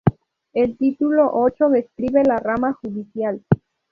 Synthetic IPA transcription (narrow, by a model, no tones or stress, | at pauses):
elt̪it̪ulo̞ʔot͡ʃoðeskɾiβe̞laramaxuðisjal